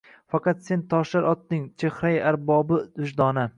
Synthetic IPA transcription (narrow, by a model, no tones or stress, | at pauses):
fɑqɑt̪se̞nt̪ʰɒʃlaɾʔɒt̪ːɪŋt͡ʃʰehɾajaɾbɒbɪd̪̥ʊʃd̪ɒnɪ